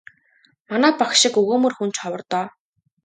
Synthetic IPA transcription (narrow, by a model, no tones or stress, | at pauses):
manæːpakʃɪ̆kɵɣoːmɵ̆rxun̥t͡ɕχɔwə̆rt̪ɔː